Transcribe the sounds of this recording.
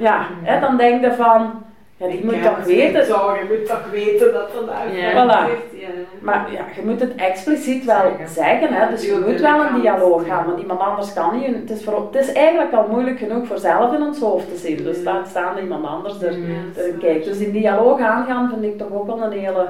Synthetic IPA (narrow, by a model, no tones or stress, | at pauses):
jaɦɛdɑndɛŋk̚dəvɑn | jadimutːɔxʋeːtəmutːɔxʋeːtəndɑtnʋɛlˠa | marja̰ɣəmutətɛksplisitʋɛlˠzɛɣənɦɛdɵsxəmutʋɛlˠəndialoːxaːnmɑntimɑntɑndərskɑniənətɪsfortɪsɛːɣənləkɑlˠmujləkxənuxfoːrzɛlˠəfɪnɔnsɦoːftəzɪndɵsdatstaːndəimɑntɑ̰ndərsdərd̥ərənkɛːk̚dɵsɪndialoːxaːnɣaːnvɪndɪk̚tɔxoːkʋɛlˠəneːlˠə